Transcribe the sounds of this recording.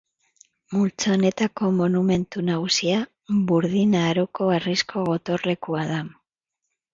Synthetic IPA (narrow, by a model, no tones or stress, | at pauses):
mult͡saone̞t̪ako̞monume̞nt̪unaɣusia | βuɾðinaːɾoko̞ariskʰo̞ɣo̞t̪o̞re̞kuaða